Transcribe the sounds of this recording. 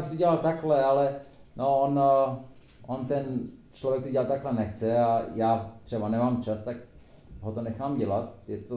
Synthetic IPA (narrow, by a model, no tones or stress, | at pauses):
jabɪxt̪oɟɛlalt̪aklɛalɛnoon | ʔont̪ɛnt͡ʃlovjɛk̚t̪oɟɛlat̪ːaklɛnɛxt͡sɛajaːt̪r̝̥ɛbanɛmaːmt͡ʃast̪ak | ɦot̪onɛxaːmɟɛlat̪jɛt̪o